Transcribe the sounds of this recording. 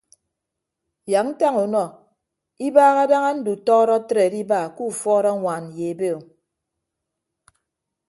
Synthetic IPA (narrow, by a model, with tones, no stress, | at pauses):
ja˨kn̩˦ta˦ŋu˨nɔ˨ | i˦baː˦ɣa˦da˦ŋa˦n̩˦du˨tɔ˦ɾɔ˦tɾe˨di˦baː˦˨ku˦˨fɔː˦ɾɔ˦ŋʷa˨n˨je˨be˦˨o˨